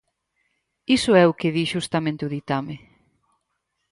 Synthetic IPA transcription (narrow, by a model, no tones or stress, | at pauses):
isʊɛʊkɪðiʃust̪amẽnt̪ɪʊðit̪amɪ